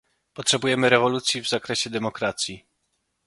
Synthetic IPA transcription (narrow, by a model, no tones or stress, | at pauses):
pɔtʂɛbujɛmɘɾɛvɔlut̪sʲjivzakɾɛɕɛd̪ɛmɔkɾat̪sʲji